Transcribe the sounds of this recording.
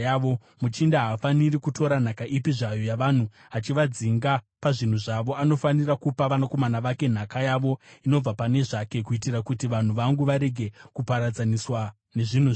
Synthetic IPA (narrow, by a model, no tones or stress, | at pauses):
jaʋo | mut͡ʃindaɦafanirikutʰo̞ɾan̤akaʔipiʐajo̞jaʋan̤u | at͡ʃiʋad͡ziŋɡa | paʐin̤uʐaʋo̞ano̞fanirakupaʋanako̞manaʋake̞n̤akajaʋo̞ino̞b͡vapane̞ʐake̞kuitirakutiʋan̤uʋaŋɡuʋaɾe̞ɡʱe̞kupaɾad͡zaniswa | ne̞ʐin̤u